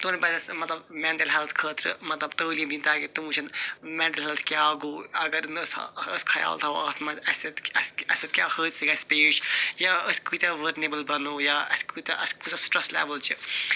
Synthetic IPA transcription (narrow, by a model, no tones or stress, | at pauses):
t̪unibɐd̪ɐsmɐt̪lɐbmẽːɳʈɐlɦɛlt̪ʰkʰəːt̪ɾɨmɐt̪lɐbt̪əːlimd̪ĩnt̪aːkit̪umuːt͡ʃʰɐnmẽɳʈɐlɦɛlt̪ʰkjːɡoːɐɡəɾnəsəskʰɐja̰ːlt̪ʰaoɐ̰t̪ʰmɐɐsɐt̪ɐsɐsɐt̪̚kʲjaːkʰəːt̪siɡaːspeːʃjaːəskuːt̪ɐʋəɾnebɐlbɐnoːjaːɐ̰skut̪ɐʔɐskut̪ɐsʈɾɐslḛːʋɐlt͡ʃʰi